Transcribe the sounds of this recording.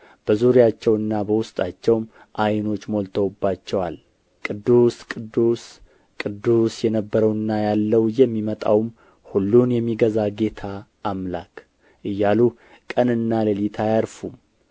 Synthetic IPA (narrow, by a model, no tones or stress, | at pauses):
b̥əzuɾijat͡ʃːɛwɨnːabəwʊst̪ʼat͡ʃːɛwm | ʔajno̞t͡ʃːmo̞lt̪ʰəwbːat͡ʃːɛwal | kʼɨd̪ːuskʼɨd̪ːus | kʼɨd̪ːusjɛnəbːəɾəwɨnːajalːəwjɛmːimət̪ʼa̰wm | hulːunjɛmːiɡəzaɡe̞t̪ʰaː | mlakʰ | ʔɨjːalu | kʼənɨnːaləlit̪ʰajaɾfum